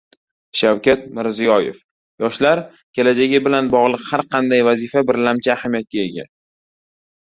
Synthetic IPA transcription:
ʃawkʲʰat̪̚mɪɾzijɒjḛf | jɒʃlaɾ | kʲʰe̞lad͡ʒaɡʲɪbɪlanbɒʁlˠɨqhaɾqʰɑnd̪ajvazifabɪɾlamt͡ʃʰɪːhamijat̪̚kʲae̞ɡʲa̰

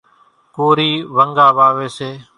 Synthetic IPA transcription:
koːɾiːʋəŋɡaːʋaːʋeːseː

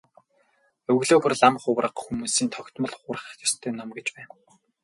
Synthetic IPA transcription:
ɵwɣɮoːɣɵ̆rɮamχʊwrə̆qxumuːsiːnt̪ʰɔkʲt̪mɞ̆ɮχʊːrə̆χjɔ̥st̪ʰœːnɔmɡet͡ɕpæːn

